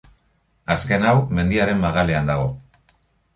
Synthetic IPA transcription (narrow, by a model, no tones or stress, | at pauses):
aske̞nawme̞nd̪iaɾe̞mːaɣale̞and̪aɣo̞